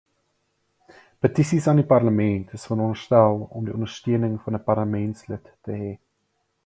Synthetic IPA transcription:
pətisisɐːnipɐrləmɛntʰəsfənɔnərstælˠɔmdiɔndərstyənəŋfɐnəpɐrləmɛntslətːəɦɛ

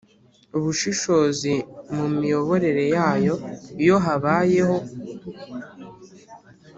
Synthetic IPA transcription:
uβuʃiʃo̞ːzimumijo̞βo̞ɾe̞ɾe̞jaːjo̞jo̞ɦaβaːje̞ho̞

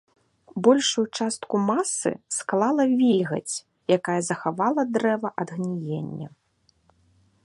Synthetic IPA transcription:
bɔlʲʂujut͡ʂast̪kumasɨ̰sklˠalˠɐvʲilʲɣɐ̰t͡sʲ | jakajɐzɐxavalˠɐd̪ɾɛvɐʔɐd̪ɣnʲijenʲːɐ̰

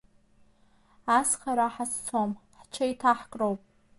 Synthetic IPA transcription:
asχaɾaħast͡sʰomħt͡ʃʰaitʰaħkʼrowpʼ

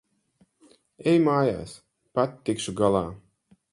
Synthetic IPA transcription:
ɛjmaːja̰ːs | pat̪ʲːikʃuɡalˠaː

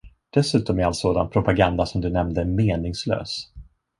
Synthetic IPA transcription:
d̪̥ɛsʉ̟ːt̪ɔmɛalt̪soːd̪anpʰɾʊpaɡand̪asɔmd̪ɵnɛmnd̪əmeːnɪŋslø̰ːs

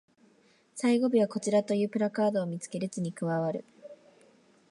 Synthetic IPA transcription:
saiɡo̞bʲiβako̞t͡ɕiɾat̪o̞jɯ̟ːpɯ̟ɾakaːd̪o̞ːmʲit͡sɨ̥ke̞ɾɯ̟t͡sɨɲ̟ikɯ̟βaβaɾɯ̟̰

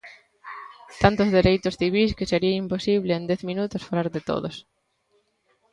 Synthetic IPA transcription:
t̪ant̪ozðeɾejt̪ʊsθiβ̞iskeseɾiaimposiβleːnd̪ɛθmĩnut̪osfalaɾðet̪o̰ðos

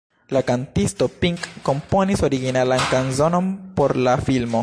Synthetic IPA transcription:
lakantisto̞piŋkːo̞mpo̞niso̞ɾiɡinalankanzo̞no̞npo̞ɾlafilmo̞

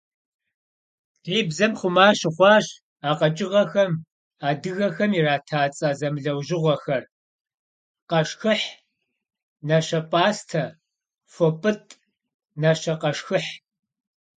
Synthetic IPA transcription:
iːbzɐmχʷʊmaːɕɪχʷɑːɕ | aːqɐt͡ʃʼɪʁɐxɐm | aːdɨɣɐxɐmiraːtʰaːt͡sʼaːzɐmɨɮɐwʒɪʁʷɐxɐr | qɐʂxɨħ | nɐɕɐpʼaːstʰɐ | fopʼɨtʰʼ | nɐʃɐqɐʂxɨħ

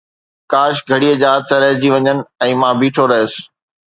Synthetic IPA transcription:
kaːʃɡʱɐɽiːəd͡ʑaːt̪ʰːəɾɐɦd͡ʑiːʋɐɲənɪ̆ɛ̃ːmãːbiːʈʰoɾɐɦɪs̆

